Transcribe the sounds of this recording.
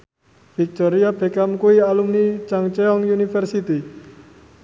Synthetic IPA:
fik̚t̪ɔɾiab̥e̤kamkuialumnit͡ʃaŋt͡ʃɛɔŋjunifɛrsit̪i

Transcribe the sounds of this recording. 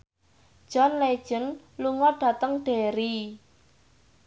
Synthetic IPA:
d̥ʒ̥ɔ̤nled̥ʒ̥ə̤n | luŋɔɖ̥a̤t̪əŋɖ̥e̤ɾi

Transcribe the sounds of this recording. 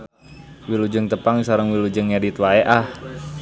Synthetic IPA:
wilud͡ʒəŋt̪əpaŋsaɾəŋwilud͡ʒəŋadit̪waɛʔah

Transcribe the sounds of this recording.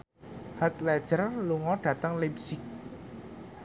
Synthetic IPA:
hat̪lɛd̥ʒ̥ərluŋɔɖ̥ä̤t̪əŋlipsɪk̚

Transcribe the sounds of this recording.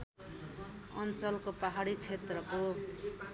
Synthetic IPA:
ʌ̰nt͡sʌlkopaɦaɽit͡sʰet̪rʌko

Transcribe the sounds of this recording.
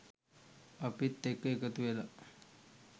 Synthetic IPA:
əpit̪ːekəjkət̪uʋela

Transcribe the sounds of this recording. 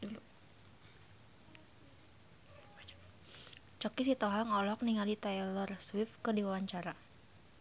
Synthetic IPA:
lu | t͡ʃɔkisit̪ɔɦaŋɔlɔk̚niŋalit̪ɛjlɔrswɪfkərdiwawaɲt͡ʃaɾa

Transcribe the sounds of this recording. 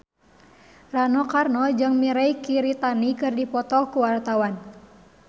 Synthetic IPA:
ranɔkarnɔd͡ʒɨŋmiɾajkiɾit̪anikɨrdipɔt̪ɔkuwart̪awan

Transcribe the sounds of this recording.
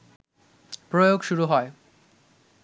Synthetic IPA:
pɾojoɡʃuɾuɦɔe

